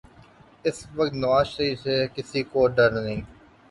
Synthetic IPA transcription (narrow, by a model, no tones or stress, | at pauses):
ɪsʋəkt̪nəʋaːʃɾisekɪsiːkoːɖəɾnəĩː